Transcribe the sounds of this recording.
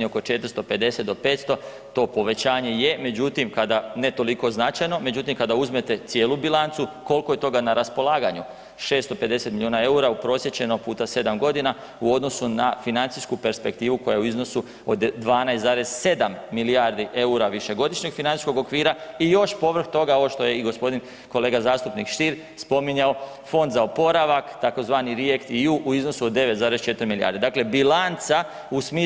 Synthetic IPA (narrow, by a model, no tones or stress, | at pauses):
eoko̞t͡ʃe̞t̪ɾ̩st̪o̞pe̞d̪e̞se̞t̪̚d̪ope̞ːt̪st̪o̞ | t̪o̞ːpo̞ʋe̞t͡ɕaːɲe̞jeme̞d͡ʑut̪imkad̪ane̞t̪o̞liko̞znat͡ʃajno̞me̞d͡ʑut̪imkad̪auzme̞t̪e̞t̪sjeːlubilant̪suko̞lˠko̞je̞t̪o̞ɡanaɾaspo̞lˠaːɡaɲu | ʃe̞ːst̪o̞pe̞d̪e̞set̪miljoːnae̞uɾaupɾo̞sje̞t͡ɕe̞no̞puːt̪ase̞d̪amɡo̞d̪ina | uo̞d̪nosunafinant̪siskupe̞ɾspe̞k̚t̪iːʋuko̞jaeuizno̞su | od̪d̪ʋaːnajst̪zaːɾe̞zse̞d̪amːilijaːɾd̪iʔe̞uɾaʋiʃe̞ɡo̞d̪iʃɲe̞ɡfinani̥sko̞ɡo̞kʋiːɾaijo̞ʃpo̞ʋr̩xt̪o̞ɡaoʋoʃt̪o̞je̞iɡo̞spo̞d̪in | ko̞leːɡazaːst̪upnikʃt̪iɾ | spo̞miɲao̞ | fo̞nd̪zaopo̞ɾaʋakt̪ako̞zʋaːniɾijekt̪iuʔuizno̞suod̪ːe̞ʋet̪zaːɾe̞st͡ʃe̞t̪ɾmilia̰ːɾd̪id̪aːkle̞bilant̪sa | usmi